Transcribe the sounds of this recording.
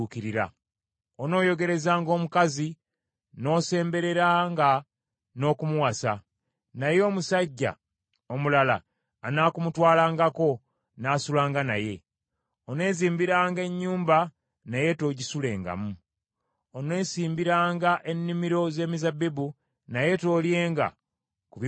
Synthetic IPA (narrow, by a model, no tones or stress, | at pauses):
ukiɾiɾa̰ | ono̞ːjo̞ɡe̞ɾe̞zaːŋɡo̞ːmukazi | no̞ːse̞ːmbe̞ɾe̞ɾaːŋɡa | no̞ːkumuwasa | najo̞ːmusaɟːa̰ | omulala̰ː | naːkumutwaːlaːŋɡako̞ | naːsulaːŋɡana̰je̞ | one̞ːziːmbiɾaːŋɡe̞ɲːuːmba | naje̞to̞ːɟisule̞ːŋɡa̰mu | onwe̞ːsiːmbiɾaːŋɡaʔe̞nːimiɾo̞ze̞ːmizabibu | naje̞to̞ːlje̞ːŋɡa̰ | kuβ